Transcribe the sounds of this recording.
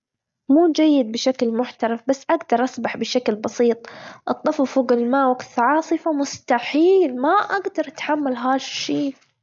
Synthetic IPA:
muːd͡ʒajːɪd̪̚bɪʃaklmʊħt̪ɑɾˤɑfbasːʔaɡd̪ɑɾˤʔɑsˤbaħbɪʃaklbɑsiːt̪ˤʔɑt̪ˤːɑffuːɡɪlmaːwaɡt̪ʕɑːsˤɨfamʊst̪aħiːlmaʔaɡd̪ɑɾˤʔat̪ħamːalɦaːʃʃiː

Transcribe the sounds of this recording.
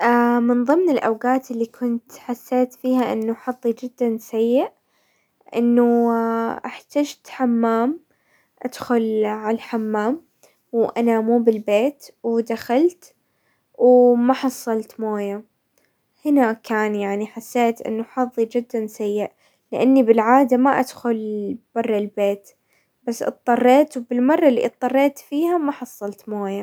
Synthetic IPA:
ʔamɪnðˤɨmːnɪlʔawɡaːt̪ɪlːikʰʊnt̪ħasːeːt̪fiːhaʔɪ̰nːuħɑðˤːid͡ʒɪd̪ːansajːɪʔ | ʔɪ̰nːuʔaħt̪ad͡ʒt̪ħamːaːm | ʔad̪̥xʊlʕalaħamːaːm | wʔanamuːbɪlbeːt̪wd̪axalt̪ | wmaħɑsˤːɑlt̪moːja | hɪnakaːnjaʕniħasːeːt̪ʔɪ̰nːʊħɑðˤːid͡ʒɪd̪ːansajːɪʔ | lɪʔanːibɪlʕaːd̪amaʔa̰d̪̥xʊlb̥ɑrˤːɪlbeːt̪ | basːʔɨ̰t̪ˤːɑrˤːeːt̪wbɪlmɑrˤːɑlːḭʔɨt̪ˤːɑrˤːeːt̪fiːhamaħɑsˤːɑlt̪moːja

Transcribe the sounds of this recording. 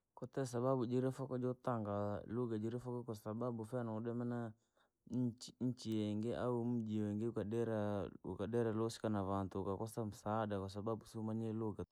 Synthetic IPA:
kɔt̪ɛsababud͡ʒiɾɛfɔkɔd͡ʒɔt̪aŋɡaloɡad͡ʒiɾefɔkɔkɔsababufɛanaɔdɛmana | ɲt͡ʃiɲ̩t͡ʃiɛŋɡeʔa̰um̩d͡ʒieŋɡekadɛɾaṵkadɛɾalosi̥kanaβant̪ukakɔsam̩sadakɔs̬ababusumaɲɛloɡa

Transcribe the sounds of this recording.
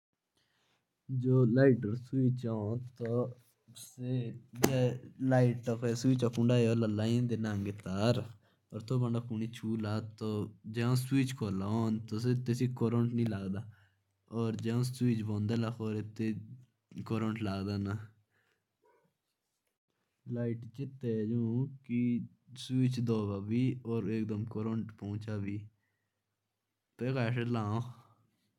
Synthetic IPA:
d͡ʒoːlaːiʈəɾsuiːt͡ʃaõt̪o | sed͡ʒelaːiʈokeswiːt͡ʃaːkʊ̃ɳɖaːjoːləlːaːĩd̪eːnaːŋɡet̪aːɾ | ɔːɾt̪ʰoːbə̃ɳɖaːkuɳiːt͡ʃʰuːlaːt̪oːd͡ʒɛ̃ːõːswiːt͡ʃkʰoːlaoːnt̪oːset̪esiːkoːɾə̃ɳʈnĩːlaːɡd̪aː | ɔːɾd͡ʒɛːõːswiːt͡ʃbõːnd̪eːlaːkʰoːɾɪt̪ːeː | koːɾə̃ɳʈlaːɡd̪aːna | laːɪʈt͡ʃɪt̪ed͡ʒũːki | swiːt͡ʃd̪oːʋaːbiːɔːɾeːk̚d̪əmkoːɾəɳʈpɔ̃ːt͡ʃaːbiː | peːkaːʃelaːõː

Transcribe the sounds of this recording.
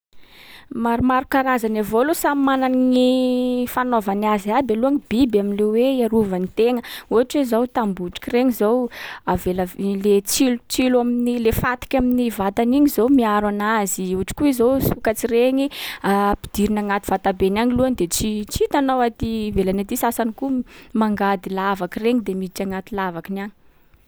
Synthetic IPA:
maɾumaɾukaɾazanavolusamananŋifanovanazabeluaŋibibaminleweaɾuvanit̪eŋəuɦaʈ͡ʂwezawt̪ambuʈ͡ʂi̥kʲireŋizowaveləlet͡silut͡silaminilefat̪i̥kʲaminivat̪aniɲizowmiaɾanaziuaʈ͡ʂi̥kuizowsukat͡sireŋiapi̥d̪̥iɾinaŋat̪i̥v̥at̪abenaŋiluand̪et͡sit͡sit̪anawat̪ivelanat̪isasanikumaŋɡad̪ilavakireŋid̪emiʈ͡ʂaŋat̪ilavakinaɲi̥

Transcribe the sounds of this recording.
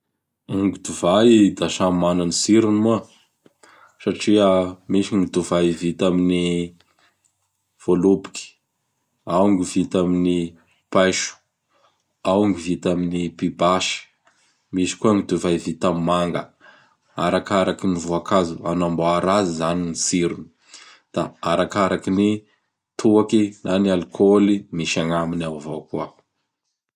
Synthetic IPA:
aŋɡid̪uvajd̪aʃamananisiɾinmuə | saʈ͡ʂiəmiʃiŋid̪uvaivit̪amini | v̥olupi̥ki̥ | awŋɡivit̪amini | pajʃu̥ | awŋɡivit̪aminipibaʃə̥ | misi̥kuaŋid̪uvajvit̪amimaŋɡə | aɾakaɾakinivuakazuanamboaɾazizaninisiɾuni̥ | d̪̥aaɾakaɾakini | t̪ʰuakinʔanialkʰolimiʃaŋaminawavokuə

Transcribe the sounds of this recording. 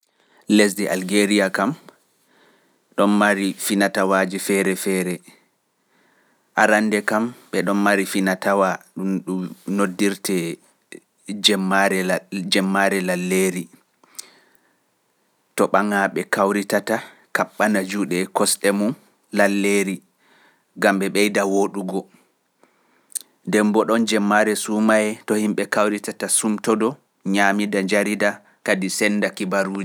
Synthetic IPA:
les̬dɛʔalɡeɾiakam | ɗɔnmaɾifinatawaːd͡ʒifɛɾɛfɛːɾɛ | ʔaɾandɛkamɓɛɗɔnmaɾifinatawaɗumɗunodːiɾtɛ | d͡ʒɛɾɛd͡ʒɛmːaɾɛlalːeɾi | tɔɓaŋaɓɛkawɾitata | kaɓːanad͡ʒuɗɛkɔsɗɛmun | lalːeːɾi | ɡamɓɛɓɛjdawoɗuɡɔ | ndɛmbɔɗɔnd͡ʒɛmːaɾɛsumajɛtɔhimɓɛkawɾitatasumtɔdɔ | ɲamidaɲd͡ʒaɾida | kadisɛnːdakibaɾuːd͡ʒi

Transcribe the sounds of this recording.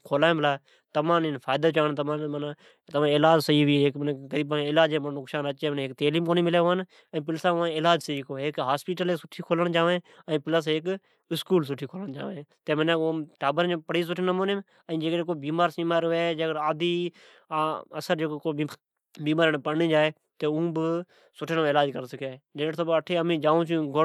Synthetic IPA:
kʰoːlaːjːmɪlaː | t̪əmãːninfʰaːjd̪ət͡ʃaːnt̪əmãːmənː | t̪əʋãːɪlaːd͡ʒsəiːʋiːɦeːkneɣəɾiːbãɪlaːd͡ʒẽːmnʊksaːnət͡ʃeːmnːeːk̚t̪eːliːmkoːniːmɪleːon | əĩːp̬ɪlsãːʋãːɪlaːd͡ʒsəiːkoːɦeːkɦaːspɪːʈəleːsʊʈʰiːkʰoːləɽt͡ʃaːʋẽːəĩːpɪləs̬ɦeːk | ɪskuːls̬ʊʈʰiːkʰoːləɽ̃t͡ʃa̰ːʋẽt̪eːmənẽːoʈaːbəɾoːpəɽiːs̬ʊʈʰːnəmoːne | əĩːd͡ʒeːkɾeːk̬oːbiːmaːɾsĩːmaːɾeːd͡ʒeːkɽaːd̪iː | əsəɾd͡ʒeːkːko | biːmaːɾnepənĩːd͡ʒaːeː | t̪eːũːbə | sʊʈʰenʋɪlaːd͡ʒkəɾsəkʰːaːd͡ʒeːʈt̪ʰoːbəʈʰeːəmĩːd͡ʒaːũːt͡ʃũɡo

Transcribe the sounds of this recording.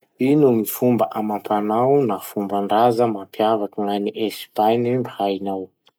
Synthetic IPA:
inumifumbəʔamampʰanawnafumbaɳɖ͡ʐazəmampjavakilaniʔespanimbihainaw

